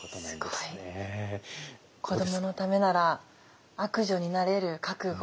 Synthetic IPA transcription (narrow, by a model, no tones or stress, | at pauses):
ot̪onaɡ̪eie | kʰo̞d̪o̞mo̞no̞t̪ame̞naɾa | akɯ̟ʑo̞ɲ̟inaɾe̞ɾɯ̟kakɯ̟ɡ